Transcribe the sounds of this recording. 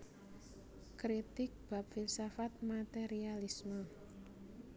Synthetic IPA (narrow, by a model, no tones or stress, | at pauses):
kɾit̪ɪk̚b̥a̤p̚filsafat̪̚mat̪eɾialismə